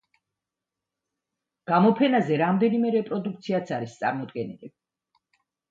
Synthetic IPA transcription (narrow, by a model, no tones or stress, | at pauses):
ɡ̥amɔpʰɛnazɛɾamd̪ɛnimɛɾɛpʼɾɔd̪uk̚ʰt̪sʰiat̪sʰaɾist̪sʼa̰ɾmɔd̪ɡɛnili